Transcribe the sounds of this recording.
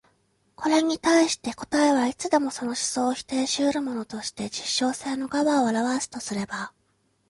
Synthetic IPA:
kʰo̞ɾe̞ɲ̟it̪aiɕi̥t̪e̞ko̞̥t̪aeβait͡sɨd̪e̞mo̞so̞no̞ɕi̥so̞ːçi̥t̪e̞ːɕɨːɾɯ̟mo̞no̞t̪o̞ɕi̥t̪e̞d͡ʑiɕːo̞ːse̞ːno̞ɡaβaoaɾaβasɨ̥t̪o̞sɨɾe̞ba

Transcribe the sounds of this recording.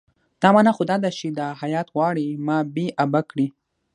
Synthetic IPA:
d̪̥ɑmɑnaxod̪ɑd̪aʃid̪ahajɑt̪ɣwɑɽimɑbeʔabakɽi

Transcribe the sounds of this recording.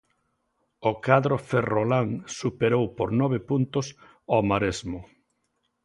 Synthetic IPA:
okaðɾoferolaŋsupeɾowpoɾnɔβepunt̪ʊs | omaɾezmʊ

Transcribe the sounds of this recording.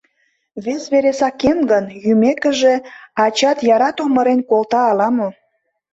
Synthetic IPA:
βesβeɾesɑkemɡənjymekə̆ʒeɑt͡ɕɑt̪jɑɾɑt̪oməɾenkolt̪ɑːlɑmo

